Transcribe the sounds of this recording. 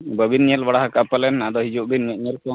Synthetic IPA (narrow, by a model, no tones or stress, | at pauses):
bəbinɲɛlbaɽaɦakapəlɛnad̪ɔɦid͡ʒuʔbinɲəʔɲəlkɔ